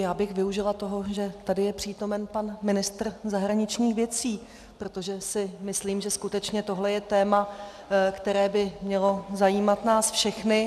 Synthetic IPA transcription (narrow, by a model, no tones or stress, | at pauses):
jaːbɪxvɪuʒɪlat̪o̞ɦo̞ʒɛt̪adɪjɛpr̥iːt̪o̞mɛnpanmɪnɪst̪r̩zaɦɾaɲɪt͡ʃɲiːxvjɛt͡siː | pɾot̪o̞ʒɛsɪmɪsliːmʒɛskut̪ɛt͡ʃɲɛt̪o̞ɦlɛjɛt̪ɛːma | kt̪ɛɾɛːbɪmɲɛlo̞zajiːmat̪naːsfʃɛxnɪ